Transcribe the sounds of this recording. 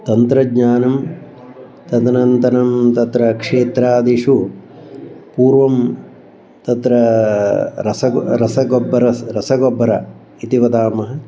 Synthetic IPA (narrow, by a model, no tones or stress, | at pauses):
t̪ɐnt̪ɾɐɡɲaːnɐm | t̪ɐd̪ɐnɐnt̪ɐnɐmt̪ɐt̪ɾɐkʂeːt̪ɾaːd̪iʂu | puːɾʋɐm | t̪ɐt̪ɾɐ | ɾɐsɐɾɐsɐɡɔbːɐɾɐɾɐsɐɡɔbːɐɾɐ | it̪iʋɐd̪aːmɐɦɐ̆